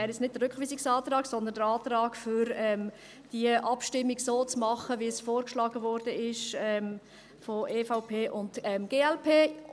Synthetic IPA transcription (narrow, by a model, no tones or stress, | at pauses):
ɛːɾjɛt͡snɪt̚d̥ərɾʏkχʋiːsiksɑːt̪ɾɑːksɔnd̪ənd̪əɾɑːt̪ɾɑːkfʏɾɛm | d̥iəʔɑpʃtɪmːiɡsoːt͡smɑχəʋiəsfoːɾkʃlɑːɡəvɔɾd̥əɪʃɛm | foʔeːfaʊpʰeːʔʊntɛmɡ̥eːɛlpʰeː